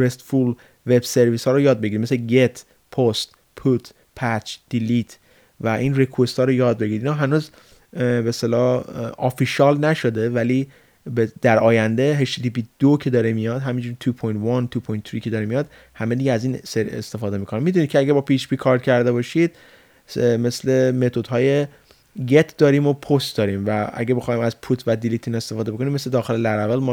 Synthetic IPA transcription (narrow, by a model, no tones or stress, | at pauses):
ɾest̪ful | ve̞bse̞ɾviːshɒːɾojɒːd̪̚be̞ɟiɾid̪mesleɟe̞t̪ʰ | pʰost̪ | pʰut̪ʰ | pʰæt͡ʃd̪̥ilit̪ʰ | væʔiːnrekʰuwest̪ɒːɾojɒːd̪̚beɟiɾid̪inhɒːɦænuːz | best̪elɒːofiʃɒːlnæʃo̞d̪e̞væliː | bed̪̥æɾɒːjænd̪e̞ɦeʃtit̪ʰipid̪̥okʰe̞d̪ɒːɾemijɒd̪ɦæmind͡ʒuɾit̪ʰupʰojnt̪vɒnt̪ʰupʰojnt̪ʰːɾicʰe̞d̪ɒːɾemijɒd̪̚ | hæmed̪iɟeæziːnseɾḛst̪e̞fɒːd̪e̞miːkʰo̞nimid̪unid̪̚cʰeæɟæɾbɒːpʰiːt͡ʃbikʰɒːɾd̪̥̚cʰæɾd̪e̞bɒːʃid̪̥̚ | me̞sle̞me̞t̪ʰod̪̥ɦɒːje̞ | ɡet̪ʰd̪ɒːɾimo̞pʰost̪̚d̪ɒːɾimvææ̰ɡebexɒːimæzpʰut̪ʰvæd̪ilit̪ʰine̞st̪efɒːd̪eboko̞nimːesled̪ɒːxelelæɾævælmɔ